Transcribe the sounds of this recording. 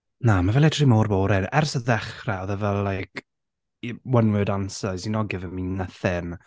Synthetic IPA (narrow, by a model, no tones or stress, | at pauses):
namavɛlˠɛdʰrimoːrboːɾɛnɛrsəðɛχrɛɔðɛvɛlˠːajkʰ | wənwɨdansasinɔɡɪvəminəθɪn